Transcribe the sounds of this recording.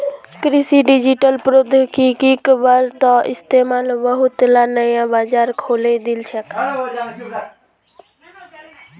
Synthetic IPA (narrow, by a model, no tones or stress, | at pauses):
kɾisiɖid͡ʒiʈəlpɾod̪kikikbaɾt̪ɔɪ̰st̪emaːlbəɦut̪lanəjãbad͡ʒaːɾkʰoled̪ilt͡ʃʰəka